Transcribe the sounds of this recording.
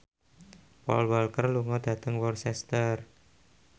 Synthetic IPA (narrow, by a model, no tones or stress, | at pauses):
pɔ̰lwɔlkərluŋɔd̪̥a̤t̪əŋwɔrsɛst̪ər